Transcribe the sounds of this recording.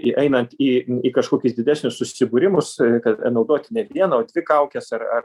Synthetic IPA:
ʔɛɪnɐnt̪iːiːkɐʃkoːkʲʊsd̪ʲɪdʲæːsʲnʲʊssʊsʲɪbʊːɾʲɪmʊskɐt̪ɐnɐʊd̪oːt̪ʲɪnʲɛʋʲiɛnɐoːd̪ʲʋʲɪkɐˑʊkʲɛsɐrɐr

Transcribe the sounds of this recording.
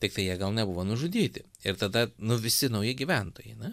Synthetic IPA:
t̪ʲɪk̚t̪ɐɪjiɛɡɐlˠnʲɛbʊʋoːnʊʒʊd̪ʲiːt̪ʲɪ | ɪɾt̪ɐd̪ɐnʊʋʲɪsʲɪnɐʊjɪɡʲiʋʲɛnt̪oːjɛɪnʲɛ

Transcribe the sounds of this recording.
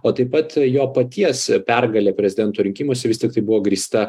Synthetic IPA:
oːt̪ɐɪpɐt̪joːpɐt̪ʲiɛspʲɛrɡɐlʲeːpʲɾʲɛzʲɪd̪ʲɛnt̪oːɾʲɪŋʲkʲiːmoɔsʲɛʋʲɪst̪ʲɪk̚t̪ɐɪbʊʋoːɡɾʲiːst̪ɐ

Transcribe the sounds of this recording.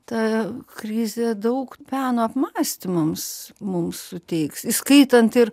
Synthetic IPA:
t̪ɑkɾʲɪzʲɛd̪ɐʊkpʲæːnoːɐpmɑːsʲt̪ʲɪmɐmsmʊmssʊt̪ʲɛɪksiskɐɪt̪ɐnt̪ɪr

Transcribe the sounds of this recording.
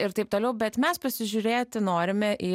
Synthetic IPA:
ɪɾt̪ɐɪpt̪oːlʲɛʊbʲɛt̪mʲɛspɐsʲɪʒʲʊɾʲeːtt̪ʲɪnoːɾʲɪmʲɛʔiː

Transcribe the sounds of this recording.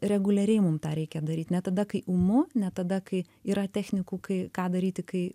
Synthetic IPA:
rʲɛɡʊlʲɛɾʲɛɪmʊmt̪ɑːɾʲɛɪkʲɛd̪ɐɾʲiːt̪ʲnʲɛt̪ɐd̪ɐkɐɪʔʊmʊnʲɛt̪ɐd̪ɐkɐɪ | iːɾɐt̪ʲæːxʲnʲɪkuːkɐɪkɑːd̪ɐɾʲiːt̪ʲɪkɐɪ

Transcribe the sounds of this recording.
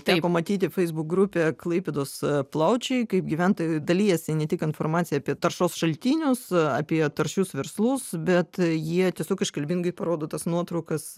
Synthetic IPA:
t̪ʲæːkoːmɐt̪ʲiːt̪ʲɪfʲɛɪzbʊk̚ɡɾʊpʲeːklˠɐɪpʲeːd̪oːsplˠɐʊt͡ʃʲɛɪkɐɪp̚ɡʲɪʋʲɛnt̪od̪ɐlʲiːjɛsʲɪnʲɛt̪ʲɪkɪnfoːrmɑːt̪sʲɪjɛːpʲiɛt̪ɐrʃoːsʃɐlʲt̪ʲiːnʲʊsɐ̰ːpʲiɛt̪ɐrʃʲʊsʋʲɛɾslˠʊsbʲɛt̪jiɛtʲiɛsʲoːkɪʃkɐlʲbʲɪŋɡɐɪpɐɾoːd̪oːt̪ɐsnuɔt̪ɾɐʊkɐs

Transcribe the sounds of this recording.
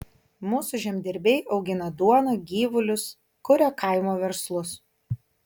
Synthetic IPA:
muːsʊʒʲɛmʲd̪ʲɪɾʲbʲɛɪɒʊɡʲɪnɐd̪uɔnoːɡʲiːʋʊlʲʊs | kʊɾʲokɐɪmoːʋʲɛɾslˠʊs

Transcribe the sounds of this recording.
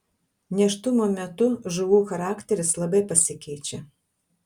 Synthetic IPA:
nʲɛʃt̪ʊmoːmʲɛt̪ʊʒʊʋuːxɐɾɑːkt̪ʲɛɾʲɪslˠɐbɐɪpɐsʲɪkʲɛɪt͡ʃʲɛ

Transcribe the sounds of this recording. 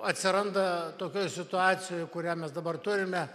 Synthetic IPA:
ɐt̪ʲsʲɪɾɐnd̪ɐt̪oːkʲoːjsʲɪt̪ʊɑːt͡s̪ʲɪjoːjkʊɾʲæːmʲɛsd̪ɐbɐrt̪ʊɾʲɪmʲɛ

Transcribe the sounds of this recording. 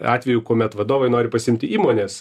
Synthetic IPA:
ɑ̰ːt̪ʲʋʲɛjʊkoːmʲɛt̪ʋɐd̪oːʋɐɪnoːɾʲɪpɐsʲɪɪmʲt̪ʲɪʔiːmoːnʲeːs

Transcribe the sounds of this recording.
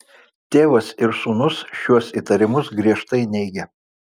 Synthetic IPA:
t̪ʲeːʋɐsɪɾsuːnʊsʃʲuɔsiˑt̪ɐɾʲɪmʊsɡɾʲiɛʃt̪ɐɪnʲɛɪɡʲɛ

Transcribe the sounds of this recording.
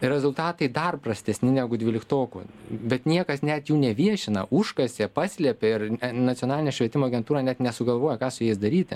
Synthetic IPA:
ɾʲɛzʊlˠt̪ɑːt̪ɐɪd̪ɐrprɐsʲt̪ʲɛsʲnʲɪnʲæɡʊd̪ʲʋʲɪːlʲɪkt̪oːkʊ̰bʲɛt̪nʲiɛkɐsnʲɛt̪juːnʲɛʋʲiɛʃʲɪnɐʔʊʃkɐsʲepɑːsʲlʲɛpʲeɪrnɐt͡s̪ʲiɔnɑːlʲɪnʲɛːʃʲʋʲiɛt̪ʲɪmoːɐɡʲɛnt̪uːɾɑːnʲɛt̪nʲɛsʊɡɐlˠʋoːjɛkɑːsʊjɛːjɪsd̪ɐɾʲiːt̪ʲɪ

